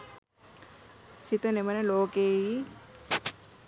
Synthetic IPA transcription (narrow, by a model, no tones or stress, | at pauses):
sit̪əneʋənəloːkeːi